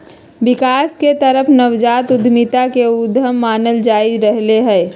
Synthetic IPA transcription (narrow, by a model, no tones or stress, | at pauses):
ʋɪkaːsket̪əɾəpʰnəʋd͡ʒaːt̪ʊd̪ʱmɪt̪akeʊd̪ʱəmːaːnəld͡ʒaːɪɾəɦleɦɛ̃ː